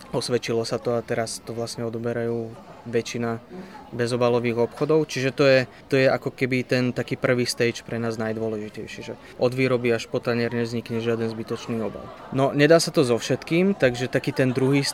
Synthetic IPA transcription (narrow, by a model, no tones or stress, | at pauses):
ɔsʋɛt͡ʃilɔsat̪ɔat̪ɛɾast̪ɔʋlasɲɛɔd̪ɔbɛɾajuːʋɛt͡ʃinabɛzɔbalɔʋiːɣɔpxɔd̪ɔʊt͡ʃiʒɛt̪ɔjɛ | t̪ɔjɛakɔkɛbit̪ɛnt̪akiːpr̩ʋiːst̪ɛjt͡ʃpɾɛnaːznajd̪ʊɔlɛʒicɛjʃɪiʒɛ | ʔɔd̪ʋiːɾɔbiaʃpɔt̪ɛɲɛɾɲɛvzɲikɲɛʒɪad̪ɛnzbit̪ɔt͡ʃniːɔba̰l | nɔɲɛd̪aːsat̪ɔzɔfʃɛt̪kiːmt̪aɡʒɛt̪akiːt̪ɛnd̪ɾuɦiːs